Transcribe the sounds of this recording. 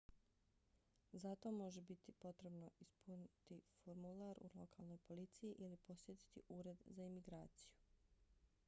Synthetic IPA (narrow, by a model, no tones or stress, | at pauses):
zat̪o̞mo̞ʒebit̪ipo̞t̪ɾe̞bno̞ispunit̪ifoɾmulˠaɾṵlˠo̞kʰalˠnojpo̞lit̪sijiʔilipo̞sjet̪i̥t̪ḭʔuːɾe̞d̪zaimiɡɾaːt̪siju